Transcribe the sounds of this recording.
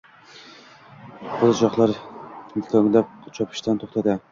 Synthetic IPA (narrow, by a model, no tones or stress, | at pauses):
bold͡ʒɑχlˠɑɾ | kʲʰøŋlɛp̚t͡ʃʰɑpʰɪ̥ʃt̪ɛnt̪ʰoχt̪ɛd̪ɪ